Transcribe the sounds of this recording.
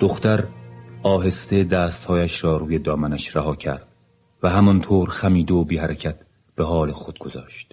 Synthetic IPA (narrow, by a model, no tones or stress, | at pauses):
d̪̥oxt̪æɾɒːɦe̞st̪ed̪æːst̪hɒːjæʃɾɒːɾuːjed̪ɒːmænæʃɾæɦɒːcʰæ̰ɾd̪̥̚ | væɦæmɒnt̪ʰoːɾxæmiːd̪eobiːhæɾecʰæt̪ | b̥eɦɒːlexo̞d̪̥̚ɡo̞zɒ̰ːʃt̪